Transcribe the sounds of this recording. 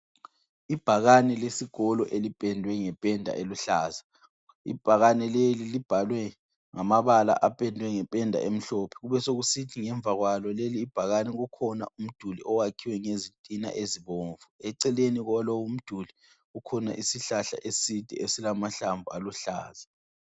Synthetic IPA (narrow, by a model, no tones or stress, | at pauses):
ib̥ʱaɣanɛlesiɡ̥ʱɔlɔ̰ʔelipʼɛndʱwɛŋɛpʼɛndʱa̰ʔeluɬaːza | ḭb̥ʱaɣanɛlelilib̥ʱalwɛ | ŋamaβala̰ʔapʼɛndʱwɛŋɛpʼɛndʱa̰ʔem̩ɬɔpʰɛɣuβɛsoɣusitʰiŋɛɱb̪vʱaɣwalɔleliːb̥ʱaɣanɛɣukʰɔna̰ʔum̩d̥ʱuliʔɔwakʰiwɛŋezintʼina̰ʔeziβoːɱvuɛǀɛleniɣlɔwum̩d̥ʱuli | ukʰɔna̰ʔisiɬaɬa̰ʔesid̥ʱɛ̰esilamaɬaɱbvʱualuɬa̰ːza